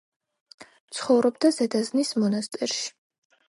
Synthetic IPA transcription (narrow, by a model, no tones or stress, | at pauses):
t̪sʰχɔvɾɔbd̪azɛd̪aznismɔnast̪ʼɛɾʃi̥